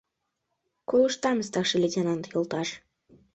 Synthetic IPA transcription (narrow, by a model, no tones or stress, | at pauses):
kolˠuʃt̪ɑməst̪ɑkʃə̆lʲetʲenɑnt̪jolˠt̪ɑʃ